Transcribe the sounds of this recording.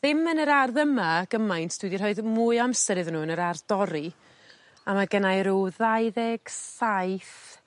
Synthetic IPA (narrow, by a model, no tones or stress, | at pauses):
ðɪmənəɾarðəmaɡ̥əmajntʰd̥widirhɔɨðmuɨamsɛɾɨðnuːənəɾardɔɾi | amaɡənajɾuwðajðɛɡ̥sajθ